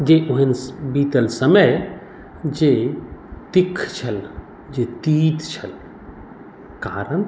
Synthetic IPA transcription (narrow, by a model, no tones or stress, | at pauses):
d͡ʒeʔuɦenbiːt̪əlsəməj | d͡ʒe | t̪ikʰt͡ʃʰəl | d͡ʒet̪iːt̪t͡ʃʰəl | kaːɾən